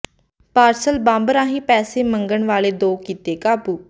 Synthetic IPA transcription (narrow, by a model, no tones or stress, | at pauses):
paːɾsəlbãːmbəɾãːɦĩːpɛːseːməŋɡəɳʋaːleːd̪oːkiːt̪eːkaːpuː